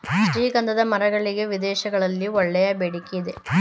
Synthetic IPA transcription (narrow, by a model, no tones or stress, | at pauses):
ʃɾiːɡɐnd̪ɐðɐmɐɾɐɣɐɭiɡeʋid̪ɛːʃɐɡɐɭɐlːiɔɭːɛjɐbeːɽikːijid̪e